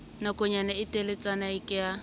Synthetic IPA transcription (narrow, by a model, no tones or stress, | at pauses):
nakʼʊɲanaɪtʼelɪt͡sanaɪkʼɪja